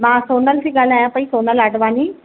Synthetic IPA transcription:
mãːsoːnəlsiːɡaːl̤aːjãpɐĩsoːnələɖʋaːniː

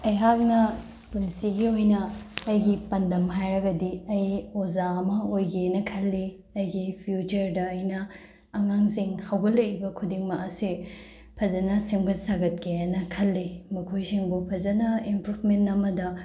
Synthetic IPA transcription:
ɐjɦak̚nɐ | punsiɡiojnɐːjɡipɐndɐmɦajɾɐɡɐdiɐjozaɐmɐojɡenɐkʰɐlːi | ɐjɡipʰjut͡ʃɐɾdɐɐjnɐː | ŋaŋziŋhawɡɐlɐjibɐkʰudiŋmɐɐsi | pʰɐzɐnɐsemɡɐsaɡɐt̚keɐnɐkʰɐlːimɐkʰojsiŋbupʰɐzɐnɐempʰɾupʰmentːɐmɐdɐ

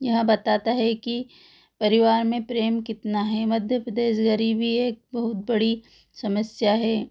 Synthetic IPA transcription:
jɐɦãbɐt̪aːt̪aɦɛki | pɐɾɪʋaːɾmẽpɾeːmkɪt̪naɦɛmɐd̪ʱjəpɾɐd̪eːʃɡaɾibʱieːk̚bɐɦʊt̪̚bɐɽi | sɐməsjaɦɛː

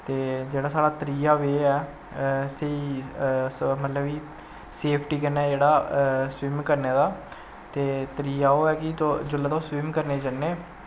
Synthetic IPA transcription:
t̪eːd͡ʒeːɽaːsaːɽaːt̪əɾiːaːʋeːɛː | sei | mət̪ləbiː | seːpʰʈiːkənɛːd͡ʒeːɽaːsʋɪmkəɾneːd̪aː | t̪eːt̪əɾiːjaːoːɛːkɪod͡ʒʊlːaːt̪oːsʋɪmkəɾneːd͡ʒanːeː

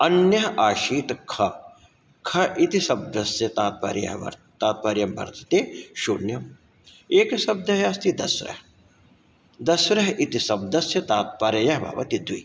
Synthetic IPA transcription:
ɐnjɐɦɐʔaːʃiːt̪kʰɐ | kʰɐʔit̪isɐb̚d̪ɐsjɐt̪aːt̪̚pa̰ːɾjɐ̰ɦɐ̰ɾ | t̪aːt̪̚pɐːɾjɐmbɐ̰ɾd̪ʰɐ̥t̪eːʃunjɐm | eːksɐb̚d̪ɐɦjɐst̪id̪ɐsɾɐ̰h | d̪ɐsɾɐɦʔit̪isɐb̚d̪ɐsjɐt̪aːt̪̚paːɾɐjɐɦbʱɐ̰ːʋɐ̰t̪id̪ʱuḭ

